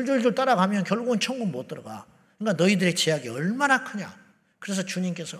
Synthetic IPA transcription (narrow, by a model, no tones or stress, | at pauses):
d͡ʑuɭd͡ʑuɭt͈aɾaɡamjʌnkjʌɭɡuːnt͡ɕʰʌŋɡunmot͈ʌɾʌɡa̰ | ɯŋk͈anʌidɯɾet͡ɕejaɡiʌɭmanakʰɯɲa̰ | kɯɾe̞s̬ʰʌt͡ɕuɲimk͈e̞sʰʌ